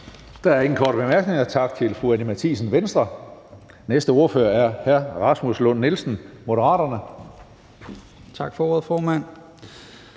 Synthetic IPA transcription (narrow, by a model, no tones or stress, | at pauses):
d̥ɑ̈æɐe̝ŋn̩kʰɒ̰ːɾəb̥e̝mæɐɡ̥ne̝ŋɐt͡sʰɑ̈ɡ̥̚t͡sʰe̝lfʁuænimæt͡sʰḭːsən̩ʋensd̥ʁɐ | nesd̥əo̝ɐfø̰ːɐæɐhæɐ̰ʁɑ̈smuslɔ̽nːelsn̩mo̝ɾəʁɑ̰̈ːd̥ɐnə | t͡sʰɑ̈ɡ̥fɒoɐðˠfɒːmæn̰